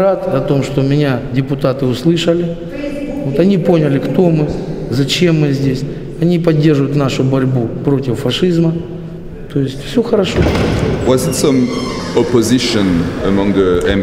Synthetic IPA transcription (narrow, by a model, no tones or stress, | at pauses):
at̪ɐt̪o̞mʂt̪omʲɪnʲadʲɪpʊt̪at̪ɨʊslˠɨʂəlʲɪ | o̞t̪ɐnʲipo̞nʲəlʲɪkt̪o̞mɨzɐt͡ɕe̞mːɨzʲdʲesʲ | ɐnʲipɐdʲːe̞rʐɨʋʊjʊt̪naʂʊbɐɾʲbupɾo̞tʲɪfːɐʂɨzmə | t̪o̞jɪsʲtʲfsʲoxəɾɐʂo̞wɔzɪtsʌ̃mɔpozɪʃə̃nəmɔ̃ŋðəɛ̃m